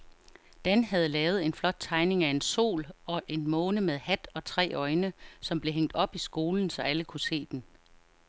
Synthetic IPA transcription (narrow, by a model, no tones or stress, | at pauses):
d̥enhæð̞ˠlɛːʊð̩ˠe̝nflɒ̽d̥̚t͡sʰɑ̈ɪne̝ŋæe̝nso̝̰ːlɒ̽ʔe̝nmɔ̽ːnəmeðˠhæd̥ɒ̽t͡sʰʁɛ̰ːɒ̽ɪnəsɒ̽mb̥le̝ɦeŋ̰d̥ɒ̽b̥isɡ̥o̝ːln̩sɒ̽æləkʰuse̝̰ːd̥en